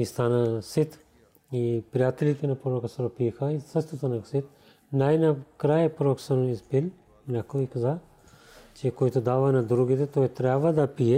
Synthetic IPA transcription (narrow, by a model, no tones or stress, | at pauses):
ist̪anasit̪ | ipɾijat̪ɛlit̪ɛnɐpɾoɾokəsəɾopixɐisəʃt̪ɛst̪anɐksit̪̚ | najnakɾajpɾoksənoispil | nʲakoikaza | t͡ʃɛkojt̪od̪avɐnad̪ɾuɡit̪ɛt̪ojt̪ɾʲabvəd̪ɐpiɛ